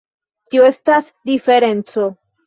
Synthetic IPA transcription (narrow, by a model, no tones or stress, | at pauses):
tio̞e̞stas | dife̞ɾe̞nt͡so̞